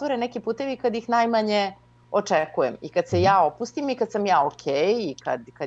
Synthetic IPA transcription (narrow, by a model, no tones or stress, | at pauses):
oɾenɛkipuːt̪e̞ʋikad̪jixnajmaɲe | ot͡ʂɛkujemikad̪sejaːopust̪imikad̪samjaːokʲʰeːjika̰d̪ka